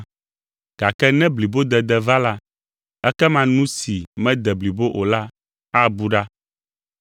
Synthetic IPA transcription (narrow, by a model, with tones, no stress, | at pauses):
ɡ̥a˨kɛ˦nɛ̃˦bli˨bo˦d̪ɛ˨d̪ɛ˨va˦la˦ | ɛ˦kɛ˦mã˨nũ˦si˨mɛ̃˦d̪ɛ˨bli˨bo˦ʔo˨la˦ | a˦bu˦ɖa˦